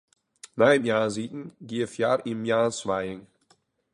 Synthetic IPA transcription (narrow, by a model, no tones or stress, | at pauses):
namjaːziːtn̩ɡiəfjaɾʔɪmjaːsvaɪŋ